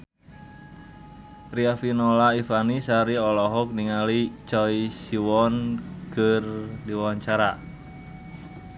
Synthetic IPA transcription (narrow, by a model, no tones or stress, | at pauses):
riafinɔlaifanisaɾiɔlɔɦɔk̚niŋalit͡ʃɔisiwɔnkərdiwawaɲt͡ʃaɾa